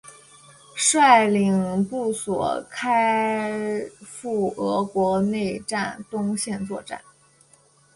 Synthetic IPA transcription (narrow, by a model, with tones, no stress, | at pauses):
ʂwa˥˩ɪli˨˩ŋpu˥˩swɔ̰˨˩kʰa˥ɪ | fu˥˩ɤ˧˥kwɔ˧˥ne˥˧ɪʈ͡ʂa˥˩nt̪ʊ˥ŋɕjɛ˥˧nt͡swɔ˥˧ʈ͡ʂa̰˥˩n